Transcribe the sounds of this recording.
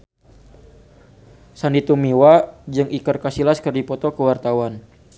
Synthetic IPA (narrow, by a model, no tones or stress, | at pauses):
sandit̪umiwad͡ʒɨŋʔikərkasilaskərdipɔt̪ɔkəwart̪awan